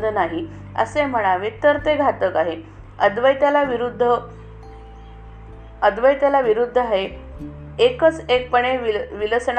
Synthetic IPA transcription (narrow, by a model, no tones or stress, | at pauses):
d̪ənaɦi | ə̰sem̤əɭ̃aʋet̪əɾt̪eɡʱat̪əkaɦe | əd̪ʋəjt̪jalaʋiɾud̪ʱːə | əd̪ʋəjt̪jalaʋiɾud̪ʱːəaɦe | ekət͡sek̚pəɳ̃eʋiʋiləsɳ